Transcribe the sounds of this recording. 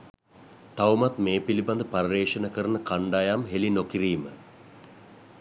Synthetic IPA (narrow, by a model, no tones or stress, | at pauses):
t̪aʋmat̪meːpiliband̪əpaɾɾeːʂənəkəɾənəkaɳɖajamɦelinokiɾiːmə